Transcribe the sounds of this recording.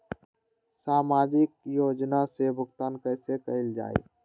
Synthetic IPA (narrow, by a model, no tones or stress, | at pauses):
saːmaːd͡ʒɪk̚joːd͡ʒnasebʱʊɡt̪aːnkəɪsekəɪld͡ʒa̰ːḛː